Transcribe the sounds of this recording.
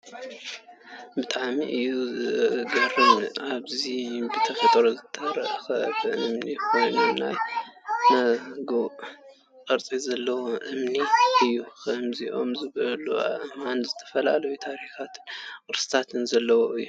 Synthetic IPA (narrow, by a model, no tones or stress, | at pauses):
bɨt̪ʼaʕmiʔɨjuɡɐɾɨnʔaβzibɨt̪ʰɐfɐt̪ʼɾozɨt̪ʰɐɾɐʔɐxɐbɨʔɨmnixojnɨna̰jmɐɡo | kʼɐɾt͡sʼizɐlːɐwoʔɨmniʔɨjːukʰɐmziʔo̞mzɨβɐlua̰βʔɨmanzɨt̪ʰɐ̥fɐla̰lɐjut̪ʰaɾixat̪ʰɨ̥nkʼɨɾsɨ̥t̪ʰat̪ʰɨnzɐlːɐwoʔɨjːu